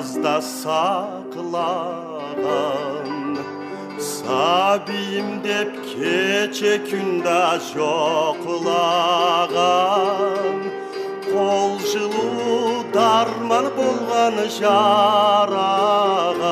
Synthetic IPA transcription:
zd̪ɑsɑ | qəlˠɑ | ʁɑn | sɑbijɪmd̪e̞p̚kʲʰet͡ʃekʲʰʏnd̪ɑʒoqəlˠɑʁɑ | n | qʰolˠʒəlˠuwd̪ɑɾmɑnbolˠʁɑnəʒɑ | ɾɑʁɑ

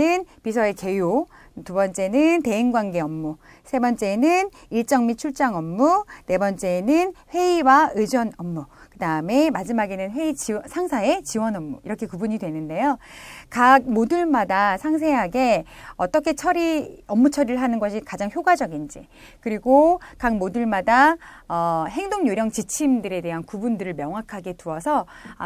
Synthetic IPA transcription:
ɯnpisʰʌe̞ke̞jo | tubʌnt͡ɕ͈e̞nɯnte̞iŋɡwanɡe̞ʌmːu | sʰe̞bʌnt͡ɕ͈e̞nɯn | iɭt͡ɕ͈ʌŋmit͡ɕʰuɭt͡ɕ͈aŋʌmːune̞bʌnt͡ɕ͈e̞nɯnɸwe̞iwaɯd͡ʑʌnʌmːukɯdaɯme̞mad͡ʑimaɡe̞nɯnɸwe̞it͡ɕiʌsʰaŋsʰae̞t͡ɕiwʌnʌmːṵiɾʌkʰe̞kubuɲidwe̞nɯnde̞jokak̚modɯɭmadasʰaŋs̬ʰe̞ɦaɡe̞ʌt͈ʌkʰe̞t͡ɕʰʌɾiʌmːut͡ɕʰʌɾɯɭɦanɯnɡʌɕʰikad͡ʑaŋçjoɡad͡ʑʌɡind͡ʑḭ | kɯɾiɡokak̚modɯɭmadaʌɦe̞ŋdoŋɲjoɾjʌŋt͡ɕit͡ɕʰimdɯɾe̞de̞ɦankubundɯɾɯɭmjʌŋɦakʰaɡe̞tuʌsʰʌ

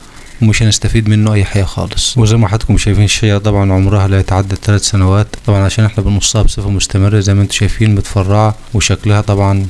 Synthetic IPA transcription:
wmɪʃænɪst̪æfiːd̪mɪnːʊʔæjːħajæːxɑ̰ːlɨ̥sˤwɪzæjmæħad̪kʊmʃæjfiːnʃːejɑt̪ˤɑbʕɑnʕomɾɑhɑlæjæt̪ʕad̪ːæd̪t̪ːælæːt̪sænæwæːt̪ːˤɑbʕɑnʕaʃæːnʔeħnæbɪnosˤːɑhɑbsˤɨfæmʊst̪æmɪrːæzæjmæʔɪnt̪u̥ʃæjfiːnmɪt̪fɑrˤːɑʕɑ | wɪʃæklæhæt̪ˤɑbʕɑn

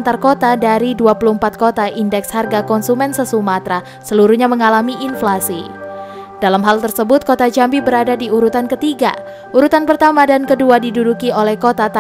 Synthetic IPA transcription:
nt̪arkot̪adaɾiduapuluhəmpat̪̚kot̪aʔindɛksharɡakɔnsumɛnsəsumat̪ɾa | səluɾuɲaməŋalamiʔinflasi | dalamɦalt̪ərsəbʊt̪̚kot̪ad͡ʒambibəɾadadiuɾut̪ankət̪iɡa̰ | ʔuɾut̪anpərt̪amadankəduadidudukiolɛhkot̪at̪

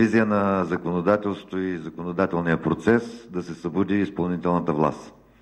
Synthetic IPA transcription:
izijənɐzɐkonod̪at̪ɛlˠst̪ot̪oizɐkonod̪at̪ɛlˠnijəpɾot̪sɛsd̪ɐsɛsɐbud̪iːspɐlˠnit̪ɛlˠnət̪əvlˠa̰st̪

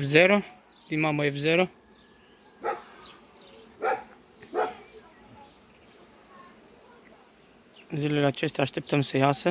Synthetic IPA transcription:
fzeɾo | d̪imamojevzeɾo | zileleat͡ʃest̪ʲaːʃt̪ep̚t̪əmsəjasə

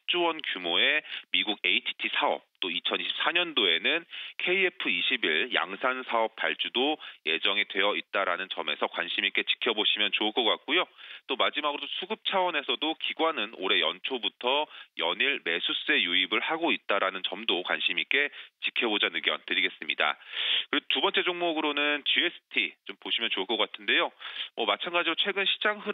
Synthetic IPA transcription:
at͡ɕ͈owʌnkjumoe̞miɡuɡeitʰi̥tʰisʰaʌ̰p̚t͈oit͡ɕʰʌniɕʰi̥p̚s͈ʰaɲʌndoe̞nɯnkʰe̞ie̞pʰɯiɕʰibiɭja̰ŋsʰansʰaʌp̚p͈a̰ɭt͡ɕ͈udoje̞d͡ʑʌŋidwe̞jʌit̚t͈aɾanɯnt͡ɕʌme̞̰sʰʌkwa̰nɕʰimik͈e̞t͡ɕi̥kʰjʌboɕʰimjʌnt͡ɕoɯɭk͈ʌk͈ak̚k͈ujot͈omad͡ʑimaɡɯɾodosʰuɡɯp̚t͡ɕʰawʌne̞sʰʌdokiɡwanɯno̰ɾe̞jʌ̰nt͡ɕʰobutʰʌjʌ̰ɲiɭme̞sʰus͈ɯe̞juibɯɭhaɡoit̚t͈aɾanɯnt͡ɕʌmdokwa̰nɕʰimik͈e̞t͡ɕikʰjʌbod͡ʑanɯɡjʌ̰ntɯɾiɡe̞s͈ɯmɲḭda̰kɯɾeotubʌnt͡ɕ͈ed͡ʑoŋmoɡɯɾonɯnt͡ɕie̞sʰɯ̥tʰit͡ɕompoɕʰimjʌnt͡ɕoɯɭkʌk͈atʰɯnde̞jomʌmat͡ɕʰanɡad͡ʑiɾot͡ɕʰwe̞ɡɯnɕʰi̥d͡ʑaŋɦɯ

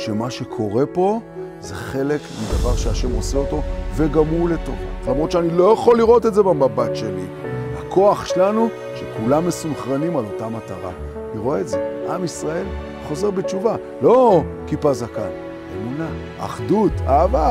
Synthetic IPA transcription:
ʃe̞maʃe̞kʰo̞ʁe̞po̞ | ze̞χe̞le̞kmid̪avaʁʃeaʃe̞mo̞seo̞to̞veɡamuleto̞̰vlamʁot̪ʃeanilo̞jaχo̞lːiʁo̞te̞tze̞bemabatʃe̞lḭ | hakʰo̞aχʃelanu | ʃe̞kulamːe̞sumχʁanimalo̞tamataʁa̰ | niʁoeetze̞ʔamisʁae̞l | χo̞ze̞ʁbet͡ʃuva | lo̞kipazakal | e̞muna | a̰χdutaːva

